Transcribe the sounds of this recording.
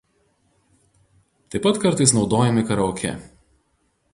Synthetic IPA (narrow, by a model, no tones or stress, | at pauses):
t̪ɐɪpːɐt̪kɐɾˑt̪ɐɪsnɒʊd̪oːjɛmʲɪkɐɾɐɔkʲɛ̰